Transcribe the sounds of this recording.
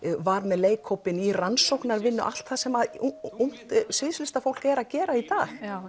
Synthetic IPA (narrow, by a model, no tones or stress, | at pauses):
vaɾmɛðleːjkʰowpɪniransowknaɾvɪnːʏ̰ʔa̰l̥t̪θaðsɛmaðuŋ̥t̪sɪðslɪst̪afowl̥kɛɾaðcɛːɾait̪aːx